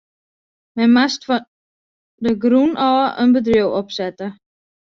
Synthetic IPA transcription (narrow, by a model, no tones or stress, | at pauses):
mɛnmastfɔ | dəɡrunʔɔːʔənbədriəwɔpsɛtə